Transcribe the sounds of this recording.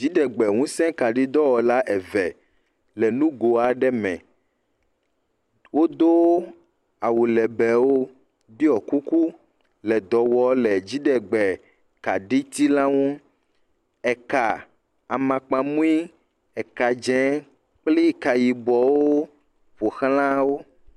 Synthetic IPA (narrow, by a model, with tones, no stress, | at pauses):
d͡ʒi˦ɖɛ˨ɡ͡bɛ˨ŋũ˦sɛ̃˦ka˨ɖi˦d̪ɔ˦wɔ˨la˦ʔɛ˨vɛ˨ | lɛ˨nũ˦ɡo˨a˨ɖɛ˦mɛ̰̃˨ | wo˦d̪o˦ | a˨wu˨lɛ˨bɛ˨wo˦ | bi˦ɔ˨ku˦ku˦ | lɛ˨d̪ɔ˨wɔ˦lɛ˨d͡ʑi˦ɖɛ˨ɡ͡bɛ˨ | ka˨ɖi˦t̪i˦la˦wɔ̃˦ | ɛ˨ka˨ | a˨mã˨k͡pã˨mũ˦i˦ | ɛ˨ka˨d͡ʒɛ̃˨˦ | k͡pli˦ka˨ji˨bɔ˨wo˦ | ɸo˨xlã˦wo˦